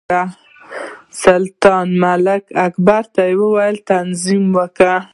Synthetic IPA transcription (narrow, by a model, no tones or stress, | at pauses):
a | salt̪ɑnmalɪkakbaɾt̪ajewəwajəlt̪anzimwəka